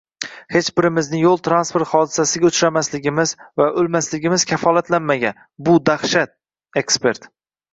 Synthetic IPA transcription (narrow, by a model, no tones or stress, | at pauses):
he̞t͡ʃbɪɾɪmɪznɪjolˠt̪ʰɾanspe̞ɾt̪χɒd̪ɪsasɪɡʲaʊt͡ʃɾamaslɪɡʲɪmɪzvaʔɵlmaslɪɡʲɪmɪz̥kʲʰafɒlˠat̪lanmaɡʲan | bʊd̪aχʃat̪̚ | e̞kspe̞ɾt̪